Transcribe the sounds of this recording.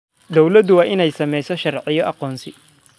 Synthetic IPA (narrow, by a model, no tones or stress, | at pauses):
d̪ɔwlɐd̪ʊwɑːʔɪnɛjsɐmɛjsɔʃɐrʕɪjɔʔɑqɔːnsɪ